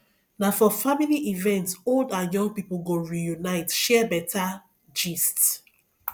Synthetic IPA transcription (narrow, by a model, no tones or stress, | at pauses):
nafɔfamiliʔivɛ̃ntsoldãnjɔ̃ŋɡ̚piplɡoɹijunaɪtʃɛbɛtʰa | d͡ʒist